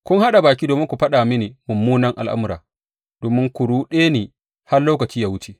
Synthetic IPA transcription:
kʷʊ˦ŋha˦ɗa˨baː˨k̬ʲiː˦doː˨mɪ˦ŋkʷu˨ɸɐ˦ɗa˨mɪ˦ne˨mʊ˨mːuː˦nɐ˦ŋʔa̰˨lʔa̰˦mʊ˦ɾa̰ː˨ | d̥oː˨mɪ˦ŋkʷʊ˨ɽuː˦ɗeː˦neː˨ | ha˦rloː˦kɐ˨t͡ʃiː˦jaː˨wʊ˦t͡ʃe˦

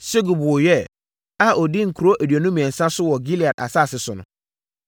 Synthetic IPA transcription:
se˦ɡu˨bɔ˨jɛ˦ | a˦ʔɔ˨dɪ˦ŋ̩˨kʰu˨ɾo˦ʔæ˨dɥæ˨nʊ̃˦mĩ˨ɛ̃˨n̩˨sã˦sʊ˦wɔ˨ɡi˦li˨a˨da̰˨sa˦˨sɪ˨sʊ˨nʊ̰̃˨

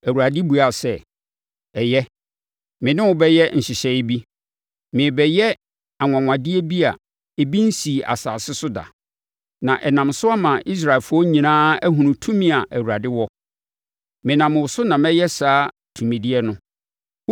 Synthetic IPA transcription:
æ˨wa˨dɪ˦bu˨a˨sɛ˦˨ | ɛ˨jɛ˦ | mɪ̃˨nɪ̃˦wʊ˦bɛ˦jɛ˦n̩˨ɕɪ˨ɕɛ˨ɪ˦bi˦ | mɪ̃˨bɛ˨jɛ˦ | a˨ŋʷã˨ŋʷã˨dɪ˦ɛ˦bi˦a̰˨ | e˨bi˦n̩˦si˨ʔa̰˨sa̰ː˨sɪ˦sʊ˦da̰˨ | nã˨ʔɛ˨nã˨msʊ˦a˦mã˨ʔi˦s̬ɾa˨lfʊ˦ɔ˦ɲĩ˨nãː˦æ˦ɦũ˨nũ˨tʰũ˦mĩ˦a˨ʔæ˨wu˨ɾa˨dɪ˦wɔ˦ | mɪ̃˨nã˨m̃˨wʊ˨sʊ˦nã˨mɛ˦jɛ˦saː˦ | tʰũ˨mẽ˨di˦ɛ˦nʊ̃˦

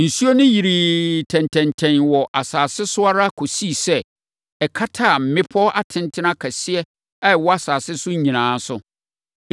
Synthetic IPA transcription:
n̩˨su˦o˦nɪ̃˦ji˨ɾi˨tʰɛ̃˨ntʰɛ̃˨ntʰɛ̃˨nwɔ˨ʔa˨saː˨sɪ˦sʊ˦a˦ɾa˦kʰo˨si˦˨sɛ˦ | ɛ˨kʰa˦tʰa˦˨m̩˨mɪ̃˦pʰɔ˦ʔa˦tʰɪ̃˨ntʰɪ˦nã˦kʰa˨sɪ˦ɛ˦ | a˦˨wɔ˦a˨saː˨sɪ˦sʊ̃˦ɲ˦ɲĩ˨nãː˨˦sʊ˦

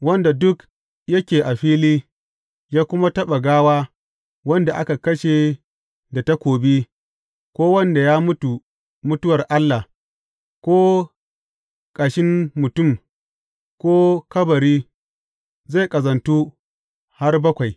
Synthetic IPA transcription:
wɐ˦nda˨dʊ˦k | jɐ˦kʲeː˨ʔa˨ɸiː˦liː˦ | jaː˦kʷʊ˦ma˦tɐ˦ɓa˨ɡaː˦waː˦ | wɐ˦nda˨ʔa˦ka˨kɐ˦ʃe˨ | da˨ta˦kʷoː˨bi˦ | kʷoː˦wɐ˦nda˨jaː˦mʊ˦tu˨ | mʊ˦tʊ˦wɐ˨rʔa˦lːa˨ | kʷoː˦ | kʼa˨ʃɪ˦nmʊ˨tʊ˦˨m | kʷoː˦kɐ˦bɐ˨ɾiː˦ | za˦˨kʼɐ˨zɐ˨ntu˦ | ha˦rbɐ˦kʷa˨j

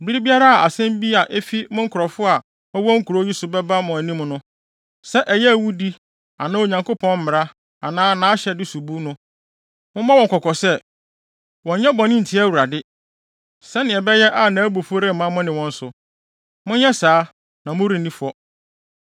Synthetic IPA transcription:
bi˦ɾi˦bi˦a˦ɾa˦˨a˨sɛ̃˦m˦bi˦a˨ʔe˦fi˦mʊ̃˦ŋ̩˦kʰʊ˨ɾɔ˨fʊ˦a˨ | ɔ˦wɔ˦ŋ̩˦kʰu˨ɾo˦ji˦sʊ˨bɛ˦ba˦mʊ̃˨æ˨nĩ˦m˨nʊ̃˦ | sɛ˦ʔɛ˨jɛ˦æ˨wu˦di˦ | a˨nã˦o˨ɲã˨ŋko˦pʰɔ̃˦nm̩˦mɪ̃˨ɾa˦ | a˨nãː˦nãː˦ɕɛ˨dɪ˦su˨bu˦nʊ̃˦ | mʊ̃˦mã˦wɔ̃˨kʰɔ˨kʰɔ˨sɛ˦˨ | wɔ̃˨ɲɛ̃˦bɔ˨nɪ̃˦n̩˨tʰi˦æ˦wu˨ɾa˨dɪ˦ | sɛ˦nɪ̃˨ɛ˨bɛ˦jɛ˦ʔa˨nãː˨˦bo˨fo˦ɾɛ˦mã˦mʊ̃˦nɪ̃˨wɔ̃˦n̩˦sʊ˨ | mʊ̃˦n˦jɛ˦saː˨˦ | nã˨mʊ̃˦ɾi˨nĩ˦fɔ˦

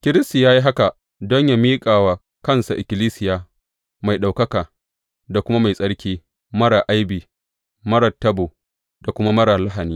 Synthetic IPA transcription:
kʲɪ˦ɾɪ˦sti˨jaː˦ji˦ɦa˦ka˨ | dɔ˦ɲja˦miː˦kʼaː˨waː˨ | kɐ˦nsa˨ʔɪ˨kʲɪ˨liː˦sɪ˨jaː˨ | ma˨jɗa˨wkɐ˦kaː˨ | da˨kʷʊ˦ma˦ma˨jsʼɐ˦ɽkʲiː˦ | mɐ˦ɽa˨ʔa˦jbiː˨ | mɐ˦ɽɐ˨tːɐ˦boː˨ | da˨kʷʊ˦ma˦mɐ˦ɽaː˨la˦ɦa˨niː˦

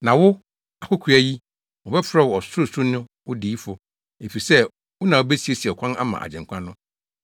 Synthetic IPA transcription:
nã˨wʊ˦ | a˨kʰʊ˦kʰu˨˦æ˨ji˦ | wɔ˨bɛ˦fɾɛ˦˨wɔ˨ɔ˨sʊ˦ɾʊ˦˨sʊ˦nɪ̃˦wʊ˦diː˨˦fʊ˨ | e˨fi˨sɛ˦ | wʊ˦nã˨wʊ˦be˦si˨e˨si˨ɛ˨kʷʰã˦na̰˦mã̰˨ʔa̰˨d͡ʑɛ̃˨ŋ˨kʷʰã˦nːʊ̃˦

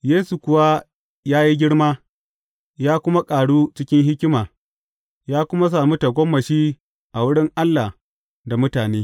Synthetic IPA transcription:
jeː˦su˨kʷʊ˨wa˦ | jaː˦ji˦ɡʲɪ˦ɽmaː˦ | jaː˦kʷʊ˦ma˦kʼaː˨ɽuː˦t͡ʃɪ˦kʲɪ˦ŋɦɪ˦kʲɪ˦maː˨ | jaː˦kʷʊ˦ma˦s̬aː˨mu˦ta˨ɡʷɔ˦mːɐ˨ʃiː˦ | ʔa˨wʊ˦ɽɪ˦ŋʔa˦lːa˨ | da˨mʊ˦taː˨neː˦

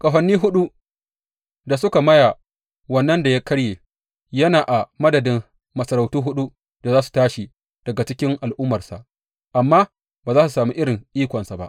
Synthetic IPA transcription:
kʼɐ˨ɸɐ˨nːiː˦ɦʊ˦ɗu˦ | da˨sʊ˦ka˨mɐ˦jaː˨ | wɐ˨nːɐ˦nda˨ja˦kɐ˦ɽjeː˨ | jɐ˦naː˨ʔa˨mɐ˦dɐ˨dɪ˦m | mɐ˨sɐ˨ɾa˨wtuː˦ɦʊ˦ɗu˦ | d̥a˨zaː˦su̥˨taː˦ʃi˨ | d̥ɐ˨ɡa˨t͡ʃɪ˦kʲɪ˦ŋʔa˨lʔʊ˦mːɐ˨rsa̰˨ʔ | ʔa˨mːaː˦ | baː˨zaː˦su˨saː˨mu˦ʔɪ˦ɾɪ˨ŋʔiː˦kʷɐ˨nsa˨ba̰˦ʔ

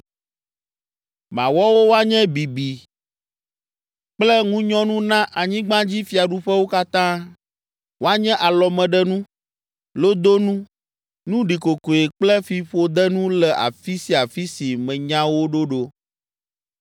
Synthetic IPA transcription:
mã̰˨wɔ˦wo˦wo˦a˦ɲɛ̃˦bi˨bi˨ | k͡plɛ˦ŋũ˦ɲɔ̃˦nũ˦nã˦ʔa˨ɲĩ˦ɡ͡bã˦d͡ʑi˦fi˦a˨ɖu˦ɸɛ˦wo˦ka˦t̪ã˦ | wo˦a˦ɲɛ̃˦ʔa˨lɔ˨mɛ̃˨ɖɛ˦nũ˦ | lo˦d̪o˦nũ˦ | nũ˦ɖi˨ko˨ko˨e˨k͡plɛ˦fi˨ɸo˦d̪ɛ˦nũ˦lɛ˨ʔa̰˨fi˦si˦a˨fi˦si˨mɛ̃˨ɲã˦wo˦ɖo˦ɖo˦

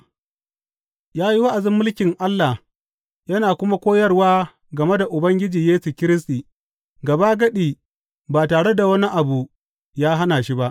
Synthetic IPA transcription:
jaː˦ji˦wa˦ʔa˨zɪ˦mːʊ˦lkʲɪ˨ŋʔa˦lːa˨h | jɐ˦naː˨kʷʊ˦ma˦kʷoː˦jɐ˦rwaː˦ | ɡɐ˨me˦da˨ʔʊ˨bɐ˦ŋɡʲɪ˦d͡ʒiː˨jeː˦su˨kʲɪ˦ɾɪ˦s̬tiː˨ | ɡɐ˨ba˦ɡɐ˦ɗiː˨ | baː˨taː˨ɽe˦da˨wɐ˦ni˦ʔa˨bu˨ | jaː˦ɦa˦naː˨ʃi˦ba˦ʔ

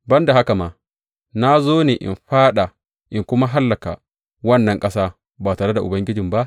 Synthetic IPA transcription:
bɐ˦nda˨ɦa˦ka˨maː˨ | na˦zoː˦neː˨ʔɪ̰˨mɸaː˦ɗa˨ | ʔɪ˨ŋkʷʊ˦ma˦ɦa˦lːɐ˨ka̰˨ | wɐ˦nːɐ˨ŋkʼɐ˦saː˦ | baː˨taː˨ɽe˦da˨ʔʊ˨bɐ˦ŋɡʲɪ˦d͡ʒɪ˨mba˦ʔ

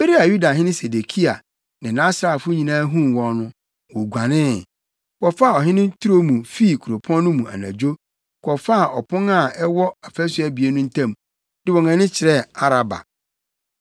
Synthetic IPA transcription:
be˦ɾi˦a˨ju˦da˨ɦɪ̃˦nɪ̃˦se˨de˨kʰi˦a˨ | nɪ̃˨nã˦sɾa˨fʊ˦ɲĩ˨nãː˦ɦũ˦wɔ̃˨˦nʊ̃˦ | wɔ˨ɡʷa˨nɪ̃˦˨ | kɔ˨fa˦˨ɔ˨ɦɪ̃˦nɪ̃˦tʰu˦ɾo˦mũ˨fi˦˨kʰu˨o˨pʰɔ̃˦n˦nʊ̃˦mũ˨a̰˨nã̰˨d͡ʑᶣo˦ | kʰɔ˨fa˦˨ʔɔ˨pʰʊ̃˦na˦˨ɛ˦wɔ˦a˨fæ˦sɥa˨bi˨e˦nʊ̃˦n̩˦tʰã˦m | dɪ˦wɔ˨ŋã˨nɪ̃˦t͡ɕʰɪ˨ɾɛ˦a˦ɾa˨ba̰˨

